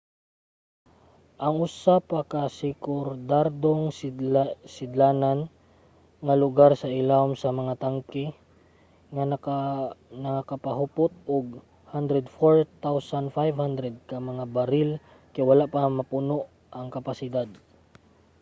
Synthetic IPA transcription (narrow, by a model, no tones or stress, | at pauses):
ʔɐŋʔʊsapakasɪkʊɾd̪aɾd̪oŋ | sɪd̪laːnan | ŋɐlʊɡaɾsɐʔɪlaʊmsɐmɐŋat̪aŋkɪ | ŋan | nɐkakapaɦʊpʊt̪̚ʊɡ̚ | hand̪ɾɛd̪foɹt̪awsanfajvhand̪ɾɛd̪̚kɐmɐŋabɐɾɪl | kajwɐlaʔpamɐpʊnoʔ | ʔɐŋkɐpasɪd̪ad̪̚